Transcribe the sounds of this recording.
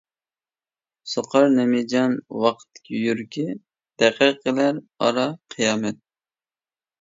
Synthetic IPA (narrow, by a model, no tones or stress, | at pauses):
soqʰɑɾnɛmed͡ʒɑnwɑqʰt̪ʰːɪ̥kʲʰijyɾkʲi | d̪̥ɛqəqːəlæɾ | ɑ̰ɾɑqʰijɑːmɛt̪̚